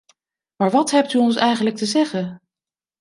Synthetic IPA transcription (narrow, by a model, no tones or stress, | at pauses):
maːɹʋɑtɦɛp̚tyɔnsɛjχənlək̚təzɛχən